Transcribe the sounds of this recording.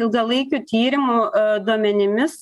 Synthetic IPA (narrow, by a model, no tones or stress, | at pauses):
ɪlˠɡɐlˠɐɪkʲuːt̪ʲiːɾʲɪmud̪uɔmʲɛnʲɪmʲɪs